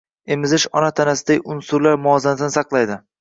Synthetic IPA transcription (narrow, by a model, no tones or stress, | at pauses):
emɪzɪʃɒnat̪ʰanasɪd̪aʊnsʊɾlaɾmʊɒzanasnɪsɑqlˠajd̪ɪ